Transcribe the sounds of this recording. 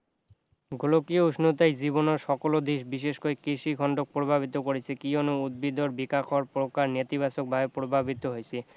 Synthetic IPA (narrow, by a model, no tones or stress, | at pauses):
ɡʱolokiouʃnot̪ajd͡ʑibonoɾʃɔkolod̪eʃbiʃeʃkoekeʃiɡʱɔɳɖok̚pɾobʱabit̪okoɾet͡ɕʰekionoud̪̚bid̪oɾbikakʰoaɾpɾokaɾnet̪ibaʃok̚bʱaepɾobʱabit̪oɦojet͡ɕʰe